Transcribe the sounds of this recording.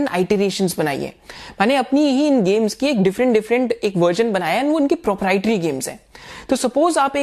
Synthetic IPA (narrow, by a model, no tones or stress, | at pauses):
na̰ːɪʈeɾeːʃə̃nzbɐna̰ːḭɦɛ̰̃ːmɛːneɐpnijɐɦĩɪnɡeːmzkieːk̚ɖɪfɾə̃ɳʈɖɪfɾə̃ɳʈeːkʋəɾʒənbɐnaːjaɦɛnʋoɪnkepɾɔːpɾaːɪʈəɾiɡeːmzɦɛ̰̃ːt̪oːsɐpoːzaːpeː